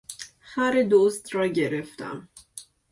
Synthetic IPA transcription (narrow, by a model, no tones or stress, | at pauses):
hæɾed̪ost̪ɾɒːɟeɾeft̪ʰæ̰m